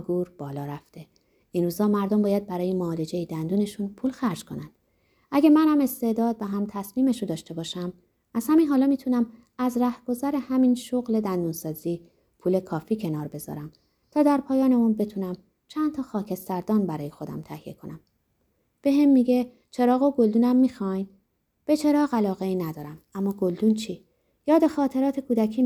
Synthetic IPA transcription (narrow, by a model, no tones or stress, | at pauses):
ɡuːɾb̥ɒːlɒːɾæft̪e̞ | inɾuːzɒːmæɾd̪ombɒːjæd̪̚bæɾɒːjemoːle̞d͡ʒe̞jid̪ænd̪uːne̞ʃunpʰuːlxæɾd͡ʒkʰo̞̰nænd̪̥ | ʔæɟæmænhæme̞st̪e̞d̪ɒːd̪̚væɦæmt̪ʰæsmiːme̞ʃud̪ɒːʃt̪e̞bɒːʃæm | æz̥hæminɦɒːlɒːmiːt̪ʰunæm | æzɾæhɡ̥o̞zæɾe̞hæminʃoɣle̞d̪ænd̪uːnsɒːziː | pʰuːle̞kʰɒːfiːcʰe̞nɒːɾbe̞zɒ̰ɾæm | t̪ʰɒːd̪æɾpʰɒːjɒːne̞unbe̞t̪ʰunæm | t͡ʃʰænt̪ʰɒːxɒːcʰe̞st̪æɾd̪ɒːnbæɾɒːje̞xo̞d̪æ̰mt̪ʰæhijḛkʰo̞̰næm | b̥e̞ɦemːiɟe̞ | t͡ʃʰe̞ɾɒːɣoɡo̞ld̪uːnæmːiːxɒjn | b̥e̞t͡ʃʰe̞ɾɒːɣælɒːɣeiːnæd̪ɒːɾæmæmːɒːɡold̪uːnt͡ʃʰiː | jɒːd̪exɒːt̪ʰe̞ɾɒːt̪ʰe̞kʰuːd̪æcʰiː